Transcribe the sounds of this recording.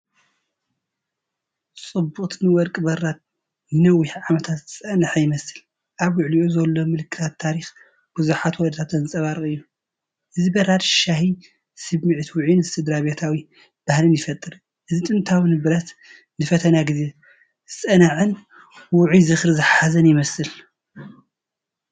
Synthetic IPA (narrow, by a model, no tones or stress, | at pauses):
sʼɨbuχʼt̪ʰnɨwɔɾkʼɨbɐɾad̪̚ | nɨnɐwːiħʕamɐt̪ʰat̪zɨt͡sʼɐnaħajɪmɐsɨl | ʔaβwʊʕliʔozɐlːomɨlɨkʰːɨ̥t̪ʰat̪ʰːaɾix | b̥uzuħat̪wɔd̪t̪ʰat̪ɐnzɨsʼɐβaɾɨʔʼɨjːu | ʔɨzibɐɾad̪ʃahi | sɨβmɨʕt̪ʰwʊʕinɨst̪ʰɨd̪ɾaβet̪ʰawi | b̥ahlɨnjɪfɐt̪ʼɨɾ | ʔɨzit̪ʼɨnt̪ʰawɨnɨbɨɾɐt̪ | nɨfɐt̪ʰɐnaɡɨze̞ | zɨt͡sʼɐnaʕɨn | wʊʕizɨxɾɨzɨħazɐnjɪmɐsɨl